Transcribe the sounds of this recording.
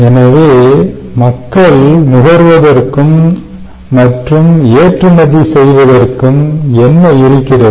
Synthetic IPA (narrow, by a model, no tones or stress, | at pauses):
ɛnɐʋeː | mɐkːɐɭnʊɣɐɾʋɐðɐrkɯmː | ɐʈrɯmeːʈrɯmɐðisɛjʋɐðɐrkɯmɛnːɐɪɾɯkːɪɽɐ